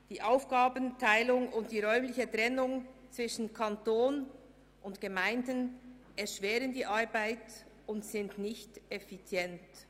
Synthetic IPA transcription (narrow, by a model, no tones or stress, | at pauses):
d̥iːʔaʊfɡ̥aːbəntʰaɪlʊŋʊntd̥iːʁœʏmlɪçətʁ̥ɛnʊŋt͡sv̥ɪʃn̩kʰantoːn | ʔʊntɡ̥əmaɪndən | ɛɐʃv̥ɛːɾəndiːʔaɾbaɪt | ʊntsɪntnɪçtɛfit͡sjɛnt